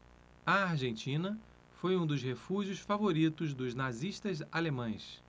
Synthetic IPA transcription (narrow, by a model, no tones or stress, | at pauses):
ɐaɾʒẽnt͡ʃĩnɐ | fojũd̪ʊzhefuʒijʊsfavoɾit̪ʊzd̪ʊznaziʃt̪ɐzalemɐ̃j̃s